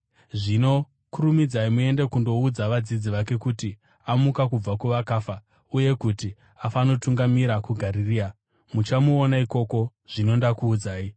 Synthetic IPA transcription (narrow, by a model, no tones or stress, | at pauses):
ʐino̞ | kuɾumid͡zaimue̞ndekundo̞ud͡zaʋad͡zid͡ziʋake̞kuti | amukakub͡vakuʋakaːfa | uje̞kuti | afano̞tuŋɡamiɾakuɡʱaɾiriːa | mut͡ʃamuonaiko̞ko̞ʐ̥ino̞ndakuːd͡zaːi